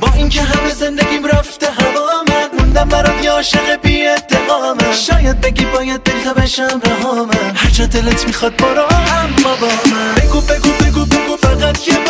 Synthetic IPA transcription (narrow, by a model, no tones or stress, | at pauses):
bɒːʔincʰeɦæmezend̪æɡʲiːmɾæft̪eɦævɒmæd̪mund̪æmbæɾɒd̪jeɒːʃeɣebied̪ːeɣɒːmæʃɒːjæd̪̚beɡibɒːjæd̪̚belt̪æbæʃæmɾaɦɒmæhaɾt͡ʃʰɒd̪elet̪ʰmixɒd̪̚bɒɾɒæmbɒbɒmæeɡubeɡubeɡubeɡufæɡæt̪kʲʰe